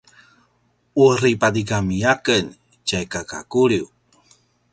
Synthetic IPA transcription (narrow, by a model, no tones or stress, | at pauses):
uripadiɡamiakən | t͡ʃajkaka̰kuɭiw